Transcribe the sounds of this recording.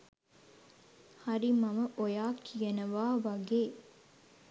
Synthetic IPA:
hɐɾimɐməʔojaːkʰijɐnəʋaːʋɐɡeː

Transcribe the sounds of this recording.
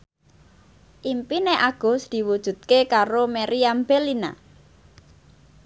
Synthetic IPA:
ʔimpineʔaɡ̥ɔ̤sd̪̥i̤wud̥ʒ̥ṳt̪̚kekaɾomeɾiambelina̰

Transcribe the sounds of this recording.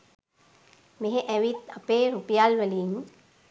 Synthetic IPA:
meɦeʔɛʋit̪apeːɾupijalʋəliŋ

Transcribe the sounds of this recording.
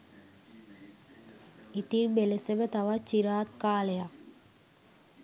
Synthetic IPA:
it̪inbelesemet̪ɐʋat͡ʃiɾaːt̪̚kaːleja

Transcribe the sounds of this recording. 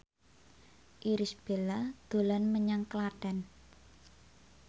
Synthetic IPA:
ʔiɾisb̥e̤lad̪̥o̤lanməɲaŋklaɖ̥a̤n

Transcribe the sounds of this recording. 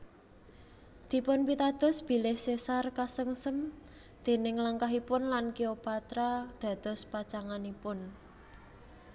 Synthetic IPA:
d̪̥i̤pʊnpit̪ad̪̥ɔ̤sb̥i̤lɪhsesarkasəŋsəm | d̪̥e̤nɪŋləŋkaɦipʊnlankiopat̪ɾad̪̥ä̤d̪̥ɔ̤spat͡ʃaŋanipʊn

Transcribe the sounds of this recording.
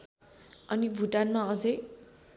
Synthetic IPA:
ʌnibʱuʈanmaʌd͡zʌj

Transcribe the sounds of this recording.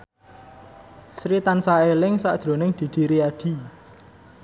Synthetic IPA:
sɾit̪ansaelɪŋsaʔd̥ʒ̥ɾo̤nɪŋd̪̥i̤d̪̥i̤ɾiaɖ̥i̤

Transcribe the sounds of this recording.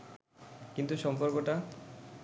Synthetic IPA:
kint̪uʃɔmpoɾkoʈa

